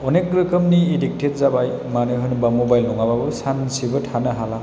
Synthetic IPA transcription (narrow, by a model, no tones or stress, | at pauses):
ɔnekɾikəmniːdik̚tʰet̚zabaj | manɯɦɯnɯbamobajlnɔŋababɯsansibɯtʰanɯɦala